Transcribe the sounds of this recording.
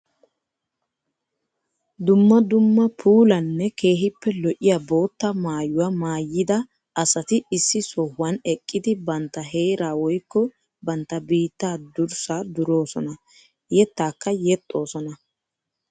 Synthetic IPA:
d̪ʊmːɐd̪ʊmːɐpʰuːlɐnːɛke̞ːɦɪpːɛlɔʔɪjaːbo̞ːt̪ːɐmaːjʊwamaːjːɪd̪ɐ | ʔɐsɐt̪ɪɪsːɪsɔhːɐnɛkʼːɪd̪ɪbɐnt̪ːɐɦe̞ːɾaːwɔjkːɔ | bɐnt̪ːɐbiːt̪ːaːd̪ʊɾsaːd̪ʊɾo̞ːsɔnɐ | jɛt̪ːaːkːɐjɛt̪ʼːo̞ːsɔnɐ

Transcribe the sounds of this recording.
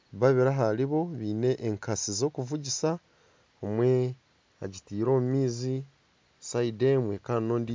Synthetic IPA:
βaβiɾaɦaliβo̞βiːne̞ʔːŋkʰasizo̞kuvuɟisa | omwe̞ | a̰ɟitiːɾo̞ːmumiːzi | saidemwekaino̞ːndi

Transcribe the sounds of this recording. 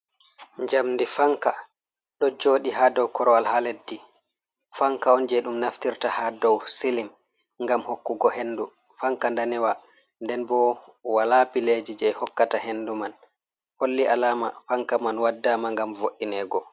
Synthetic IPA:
ɲd͡ʒamndifaŋka | ɗɔd͡ʒoːɗiɦadɔwkʰɔɾɔalhaledːi | faŋkaɔnd͡ʒɛɗumnaftiɾtahadɔwsilim | ŋɡamhokːuɡɔhenːdu | faŋkandanɛwa | ndɛnbɔwalabiled͡ʒid͡ʒɛjhɔkːatahenduman | holːialaːma̰faŋkamanwadːamaŋɡamvoʔːinɛɡɔ

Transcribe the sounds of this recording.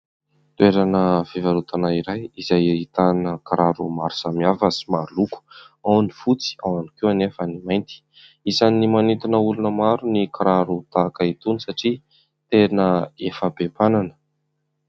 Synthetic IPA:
t̪ueɾanəv̥ivaɾut̪anaiɾajizajit̪anəkaɾaɾumaɾusamiavasimaluku̥ | awnifut͡si̥awanikewanefənimajnt̪i̥ | izanimanit̪inəulunəmaɾunikaɾaɾut̪akəit̪unisaʈ͡ʂi | t̪enəefəbepananə̥

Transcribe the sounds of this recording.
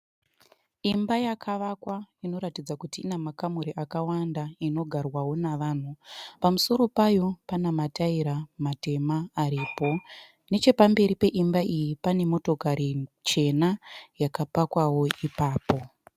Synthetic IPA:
imbajakʰaʋakwaino̞ɾatid͡zakutiːnamakamuɾiʔakawandaino̞ɡʱarwawo̞naʋaːn̤upamuso̞ɾo̞pajo̞panamataiɾamate̞maːɾiːpo̞ | ne̞t͡ʃe̞pambe̞ɾipe̞ʔimbaʔijipane̞mo̞tokaɾit͡ʃe̞najakapakwawo̞ipaːpo̞

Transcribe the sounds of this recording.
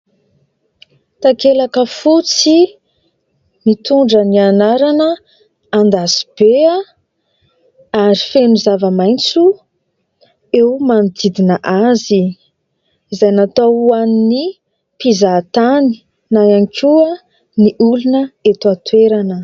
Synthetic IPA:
t̪akelakəfut͡si | mit̪uɳɖ͡ʐənianaɾanə | and̪asi̥b̥ea | aɾifenuzavəmajnt͡su | ewmanid̪id̪inəʔazi | izajnat̪aanini | pizat̪ani̥ | najaŋkʰʲua | niʔulunəet̪uat̪weɾanə

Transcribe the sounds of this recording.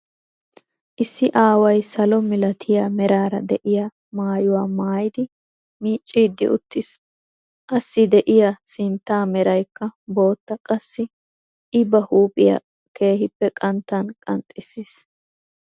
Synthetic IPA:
ʔɪsːɪʔaːwɐjsɐlɔmɪlɐt̪ʰɪjamɛɾaːɾɐ̰d̪ɛʔɪjɐ | maːjʊwaːmaːjd̪ɪ | miːt͡ʃʼːiːd̪ːɪ̰ʔʊ̰t̪ːɪs | ʔɐsːɪd̪ɛʔɪjɐsɪnt̪ːaːmɛɾɐjkːɐbo̞ːt̪ːɐkʼɐsːɪ | ʔɪbɐhuːpʼɪjɐ̰ | ke̞ːhɪpːɛkʼɐnt̪ːɐnkʼɐ̰nt̪ʼːɪsis

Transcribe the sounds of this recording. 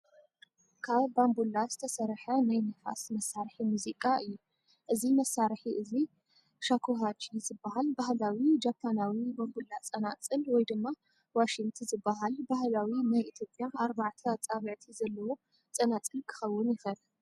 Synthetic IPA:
kʰaβːambulːazɨt̪ʰɐsɐɾħɐnajnɐfa̰smɐsːaɾħimuzikʼaʔɨjːu | ʔɨzimɐsːaɾħiʔɨzi | ʃakʰoɦat͡ʃizɨbːaɦalbahlawid͡ʒapʰːanawibambulːat͡sʼɐnat͡sʼɨlwɔjd̪ɨmːa | waʃiŋɡt̪ʰɨzɨbːaɦalbahlawinajʔit̪ʰjo̞pʼːjaaɾbaʕt̪ʰɐat͡sʼaβʕt̪ʰizɐlːɐwo̞ | t͡sʼɐnat͡sʼɨlkʰɨ̥xɐwːʊnjɪxɐl

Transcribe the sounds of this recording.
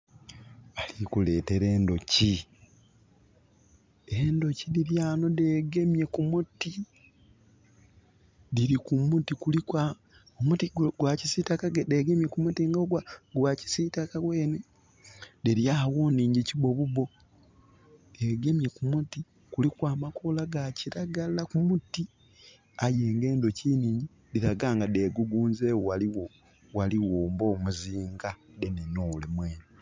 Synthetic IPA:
alikule̞ːte̞ɾeːndo̞ci | endo̞cidiɾjaːno̞deːɡe̞mje̞kumuti | diɾikumutikulikwa | omutiɡwacisitakaɡedeɡemjekumutiŋɡaɡwaɡwaci̥sitakaɡweːne | deɾjawoniːɲɟiciβo̞βuβo̞ | eɡe̞mjekumuti | kulikwaːmakolaɡaciɾaɡalakumuti | aje̞ːŋɡe̞ːndo̞ciniːɲɟi | diɾaɡaːŋɡadeɡuɡuːnzeːwowaliwo | waliwoːmbo̞ːmuziːŋɡadenenolemweːno

